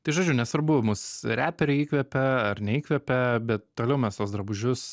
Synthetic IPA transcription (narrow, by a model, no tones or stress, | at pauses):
t̪ɐɪʒoːd͡ʒʲʊnʲɛsʋɐɾbʊmʊsɾʲæːpʲɛɾʲɪiːkʋʲɛpʲɛɐrnʲɛiːkʋʲɛpʲɛbʲɛt̪t̪oːlʲɛʊmʲɛst̪oːsd̪ɾɐbʊʒʲʊs